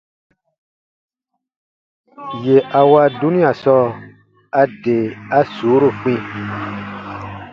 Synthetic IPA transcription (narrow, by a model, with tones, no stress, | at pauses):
je˨ʔa˨wa˦du˦nĩ˦a˨sɔ˦ | a˧de˨a˦su˨˦ɾo˦˨k͡pĩ˦